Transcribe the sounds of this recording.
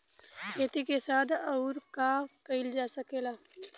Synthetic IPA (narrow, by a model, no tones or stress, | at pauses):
kʰeːt̪ikesaːd̪ʰɔːɾkakəɪld͡ʒaːsəkeːlaː